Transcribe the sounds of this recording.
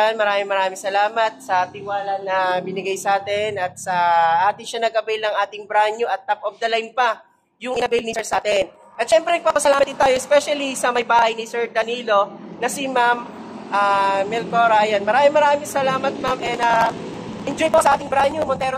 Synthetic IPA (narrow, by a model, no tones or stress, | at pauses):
anmɐɾaːmɪŋmɐɾaːmɪŋsɐlaːmɐt̪̚sɐt̪ɪwaːlɐnɐbɪnɪɡajsɐaːt̪ɛnɐt̪̚sɐʔaːt̪ɪŋʃanɐɡ̚kɐbɛlnɐŋʔaːt̪ɪŋbɾaɲjʊʔɐt̪̚ːapʔof̚d̪ɐlajmpɐ | jʊŋʔɪnɐbɛlnisɛɹsaːt̪ɛn | ʔɐt̪ʃɛmpɾɛnɐɡ̚paːpɐsɐlaːmɐt̪d̪ɪnt̪aːjoɛspɛʃɐlisɐmɐjbaːhɐjnɪsɛɹd̪ɐniːlo̞nɐsimam | ʔamɛlkoɾajanmɐɾaːmɪŋmɐɾaːmɪŋsɐlaːmɐt̪̚mamʔɛnɐ | ʔɛnd͡ʒojposɐʔaːt̪ɪŋbɾaɲjʊmont̪ɛːɾo